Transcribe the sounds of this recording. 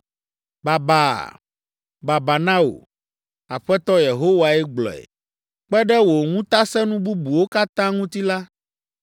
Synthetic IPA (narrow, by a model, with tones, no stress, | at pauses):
ba˨ba̰˨ | ba˨ba˨nã˦o̰˨ | a̰˨ɸɛ˦t̪ɔ˦je˨ɦo˦wa˨ɛ˦ɡ͡blɔ̰˨ɛ̰˨ | k͡pɛ˦ɖɛ˦wo˨ŋũ˦t̪a˦sɛ˦nũ˦bu˦bu˨wo˦ka˦t̪ã˦ŋũ˦t̪i˦la˦